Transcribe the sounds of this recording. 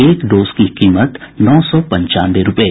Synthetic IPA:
eːkɖoːzkikiːmət̪nɔːsɔːpɐ̃ɲt͡ʃa̰ːnd̪eɾʊpeː

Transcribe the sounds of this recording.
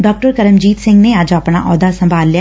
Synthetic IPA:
ɖɔːk̚ʈəɾkəɾəmd͡ʒiːt̪sɪ̃ŋɡneəd͡ʒaːpna̰ːʔɔːd̪aːsəmbʱaːlːi

